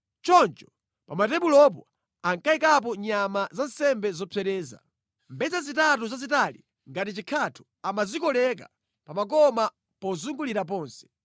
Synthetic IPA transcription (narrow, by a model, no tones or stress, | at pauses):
t͡ʃɔnt͡ʃɔ̥ | pamatɛɓulɔp̬ɔ | aŋkaikap̬ɔɲamazan̩sɛmbɛzɔpʰɛɾɛːza̰ | mbɛzazitatuzazitalḭ | ŋɡatit͡ʃikʰatʰu̥ | amazikɔlɛk̬a̰ | pamak̬ɔma | pɔzuŋɡuliɾap̬ɔːnsɛ̥